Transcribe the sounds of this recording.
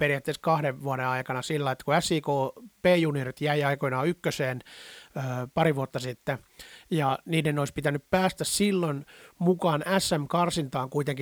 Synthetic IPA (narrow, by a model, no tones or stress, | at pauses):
periæt̪ːeskɑhdeʋʋuoɾeɑikɑnɑsilːɑiet̪ːækuæsːiːkoːpeːjunirit̪jæiɑikonɑːykːøseːnøːpɑɾiʋuot̪ːɑsit̪ːejɑniːdenoispit̪ænːyppæːst̪æssilːonmukɑːnæsːæmkɑrsint̪ɑːŋkuit̪eŋki